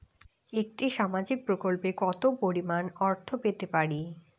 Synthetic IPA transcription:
ek̚ʈiʃamad͡ʑik̚pɾokolpekɔt̪opoɾimanɔɾt̪ʰopet̪epaɾi

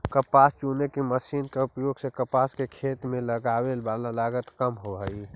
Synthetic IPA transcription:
kəpast͡ʃunekeməsinkeupjoɡsẽkəpaskekʰet̪mẽləɡawelbalalaɡət̪kəmɦoɦəi

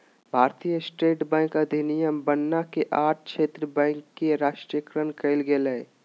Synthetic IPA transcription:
bʱaːɾt̪ijəsʈeːʈbɛ̃ːŋkəd̪ʱinijəmbənːakeʔaːʈ̚ʰkʃʰeːt̪ɾəbɛ̃ŋkːeɾaːʃʈɾijəkɾənkəɪlɡeleː

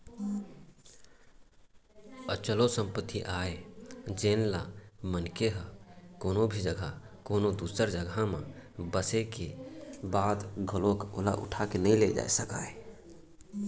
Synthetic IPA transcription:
ət͡ʃəlosə̃mpət̪ʰːiʔaːed͡ʒeːnla̰mənkeɦəkoːnobʱid͡ʒəɡʱa | koːnod̪uːsəɾd͡ʒəɡʱamãbəsekebaːd̪ɡʱəloko̰la̰ʔʊ̰ʈʰakenəĩled͡ʒa̰ːesəka̰ːe

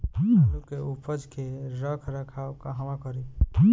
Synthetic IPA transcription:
lkeupəd͡ʒkeɾəkʰɾəkʰawkaɦəmãkəɾi

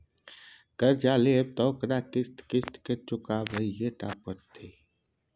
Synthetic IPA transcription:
kəɾd͡ʒaːleeb̚t̪ɔːkɾaːkɪst̪kɪst̪ket͡ʃʊkaːbʱəijeʈ̪a̰ːpəɾt̪ʰeː

